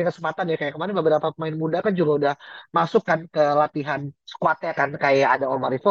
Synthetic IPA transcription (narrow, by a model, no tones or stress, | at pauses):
ŋkəsəmpat̪anjakajakəmaɾɛnbəbəɾapapəmaɪnmudakand͡ʒuɾaudahmasʊkːankəlat̪iɦansə̥kuat̪ekankajaːdaɔɾmaɾifɔ